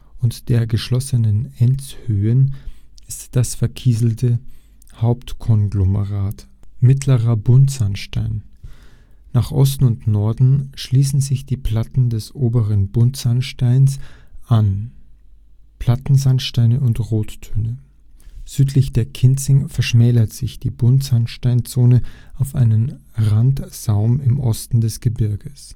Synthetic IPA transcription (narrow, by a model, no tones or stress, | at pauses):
ʔʊntd̥eːɐɡəʃlɔsənənɛnt͡shøːənɪstd̥asfɛɐkʰiːzl̩tʰə | haʊptkʰɔnɡloməʁaːt | mɪtʰləʁɐbʊntz̥anʃta̰ɪnː | aːχʔɔstn̩ʊntnɔɐdn̩ʃliːsn̩zɪçd̥iːpl̥atn̩dɛsʔoːbəʁənbʊntz̥anʃtaɪnsʔan | pʰl̥atn̩zanʃtaɪnəʊntʁoːtʰːøːnə | z̥yːtʰlɪçd̥eːɐkʰɪnt͡sɪŋfɛɐʃmɛːlɐtz̥ɪçd̥iːbʊntz̥anʃtaɪnt͡soːnəʔaʊfʔa̰ɪnən | ʁantz̥aʊmɪmʔɔstn̩dɛsɡ̥əbɪɐɡəs